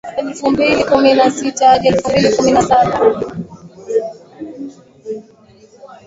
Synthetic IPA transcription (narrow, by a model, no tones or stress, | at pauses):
ɛlfumbilikuminasitaʄɛlfumbilikuminasaɓa